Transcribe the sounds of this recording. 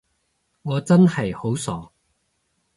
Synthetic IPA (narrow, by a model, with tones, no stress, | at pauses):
ŋɔː˨˧t͡sɐ˥nhɐ˨jho˨˥wsɔː˨˥